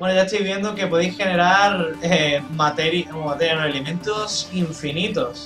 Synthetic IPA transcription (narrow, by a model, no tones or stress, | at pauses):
bwenoʝaest̪ojβje̞nd̪oke̞poðejsxe̞ne̞ɾaɾemat̪eɾjat̪enoelemẽ̞nt̪osiɱfinit̪os